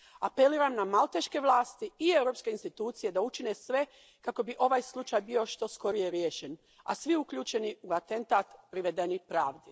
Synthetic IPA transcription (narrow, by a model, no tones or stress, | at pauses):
ape̞liːɾamnamalˠt̪eʃke̞ʋlˠaːst̪iiewɾo̞pske̞inst̪it̪uːt̪sije̞d̪aut͡ʃine̞sʋe̞ | kako̞biʔo̞ʋaːjslˠut͡ʃajbio̞ʃt̪o̞sko̞ɾije̞ɾjeʃen | a̰sʋiukʎuːt͡ʃe̞niuat̪e̞nt̪aːt̪pɾiʋe̞d̪e̞nipɾaːʋd̪i